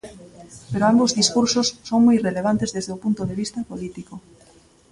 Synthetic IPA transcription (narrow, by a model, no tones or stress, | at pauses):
peɾoambozðiskuɾsosːoŋmojreleβ̞ant̪ezðezðeopunt̪oðeβ̞ist̪ɐpolit̪iko